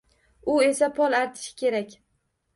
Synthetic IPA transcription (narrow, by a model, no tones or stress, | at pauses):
ʊe̞sapʰɒlˠaɾt̪ʰɪ̥ʃɪ̥kʲe̞ɾakʲ